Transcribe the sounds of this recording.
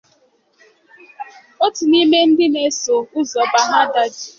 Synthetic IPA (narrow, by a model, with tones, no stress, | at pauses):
o˦tu˨ni˦me˦n̩˦dɪ˦ne˦so˨ʊ˦zɔ˨ba˨ɦa˦da˦d͡ʒi˨